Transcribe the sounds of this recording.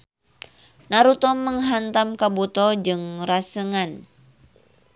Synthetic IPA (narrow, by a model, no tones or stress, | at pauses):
naɾut̪ɔmːəŋɦant̪amkabut̪ɔd͡ʒɨŋrasəŋan